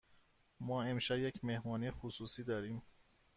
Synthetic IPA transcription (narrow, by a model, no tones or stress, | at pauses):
mɒːemʃæbjecʰme̞hmɒːnijexusuːsiːd̪ɒːɾiːm